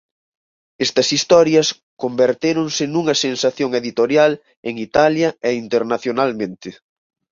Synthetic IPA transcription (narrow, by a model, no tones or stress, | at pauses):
ɛst̪ɐsist̪ɔɾjɐs | kombeɾt̪eɾoŋsɪnuŋɐsensaθjoŋeðit̪oɾjal | eŋit̪aljɐɛint̪eɾnaθjonalmẽnt̪ɪ